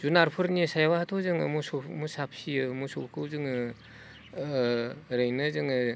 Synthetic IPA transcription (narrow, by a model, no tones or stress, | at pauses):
zunaɾpʰɯɾnisajawahatʰɔzɯŋɯmusɔmusap̚ʰsiɯmusɔkʰɯwzɯŋɯ | ɾɯjnɯzɯŋɯ